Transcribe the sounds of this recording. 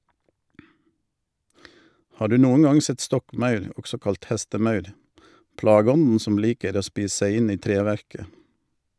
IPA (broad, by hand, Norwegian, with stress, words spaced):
ˈhɑː ˈɖʉː ˈnuːən ˈɑŋ ˈsɛt ˈstɔkˌmɑʉɾ ˈɔɡsɔ ˈkɑlt ˈhɛstəˌmɑʉɾ ˈplɑːɡəˌɔnn̩ ˈsɔm ˈliːkəɾ ˈoː ˈspiːs ˈsæɪ ˈɪn ˈiː ˈtɾeːˌʋæɾkə